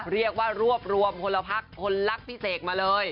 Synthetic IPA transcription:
ɾi˥˩ək̚waː˥˩ɾu˥˩əp̚ɾu˧əmkʰo˧lːa˧pʰa˦˥˩kʰːo˧nla˦˥˩k̚pʰi˦˥˩seː˨˩t̪̚maː˧lɤː˧j

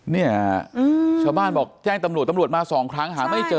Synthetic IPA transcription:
ni˥˩ɐʔɯː˧t͡ɕʰaː˧˩wbaː˥˩nbɔː˨˩k̚t͡ɕɛː˥˩ŋt̪a˧mɾu˨˩t̪ːmɾu˨˩ət̪̚maː˧sɔː˩˦ŋkʰɾa˦˥ŋɦaː˩˦ma˥˩jt͡ɕɤː˧

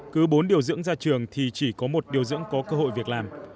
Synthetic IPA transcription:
kɨ˨˦ɓo˨˦nɗi˨˩əwzɨ̰˧˥ŋzaː˧t͡ɕɨ˨˩əŋt̪ʰi˨˩t͡ɕi˧˩kɔ˨˦mo˨˩t̚ɗi˨˩əwzɨ̰˧˥ŋkɔ˨˦kəː˧ɦo̰˧˨jvi˨˩ək̚laː˨˩m

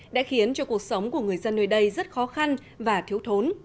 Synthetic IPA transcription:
ɗa̰ː˧˥xi˨˦ənt͡ɕɔ˧ku˨˩ək̚sə˨˦wŋ͡mku˧˩əŋɨ˨˩əjzə˧nːəː˧˩jɗə˧jzə˦˥t̚xɔ˨˦xa˧n | vaː˨˩t̪ʰi˨˦əwt̪ʰo˨˦n

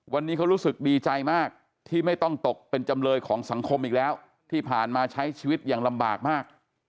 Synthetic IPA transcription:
wa˧nːiː˦˥kʰa˦˥wɾuː˦˥sɯ˨˩k̚diː˧t͡ɕa˧jmaː˥˩k̚ | t̪ʰiː˥˩ma˥˩jt̪ɔ˥˩ŋt̪o˨˩k̚pe˧nt͡ɕa˧mlɤː˧jkʰɔː˩˦ŋsa˩˦ŋkʰo˧mʔiː˨˩k̚lɛː˦˥w | t̪ʰiː˥˩pʰaː˨˩nmaː˧t͡ɕʰa˦˥jt͡ɕʰiː˧wi˦˥t̪̚jaː˨˩ŋla˧mba̰ː˨˩k̚maː˥˩k̚

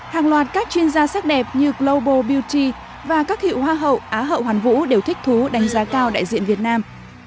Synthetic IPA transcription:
haː˨˩ŋlwaː˨˩t̚kaː˦˥k̚t͡ɕwi˧ənzaː˧saː˦˥k̚ɗɛ˨˩p̚ɲɨ˧ɡlo˧ɓo˧˩ɓi˧wt͡ɕi˧ | vaː˨˩kaː˦˥k̚hḭ˧˨whwaː˧ɦə̰˧˨wʔaː˨˦ɦə̰˧˨whwaː˨˩nvṵ˧˥ɗe˨˩wt̪ʰi˦˥k̚t̪ʰu˨˦ɗa˨˦jŋ̟zaː˨˦kaː˧wɗa̰ː˧˨jzḭ˧˨ənvi˨˩ət̚naː˧m

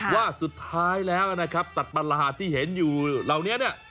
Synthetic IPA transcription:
waː˥˩su˨˩t̪ʰːaː˦˥jlɛː˦˥wʔa˨˩na˦˥kʰa˦˥p̚sa˨˩t̪̚pa˧la˧ɦaː˨˩t̪ʰːiː˥˩ɦe˩˦njuː˨˩la˨˩wni˦˥ɐni˥˩ɐ

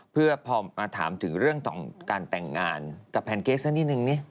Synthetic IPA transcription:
pʰɯ˥˩ɐpʰɔː˧maː˧t̪ʰa̰ː˩˦mt̪ʰɯ˩˦ŋɾɯ˥˩əŋt̪ɔ̰ː˨˩ŋkaː˧nt̪ɛ˨˩ŋːaː˧nka˨˩pʰːɛː˧nkeː˦˥sa˧˥niː˥˩nɯ˨˩ŋni˦˥ɐ

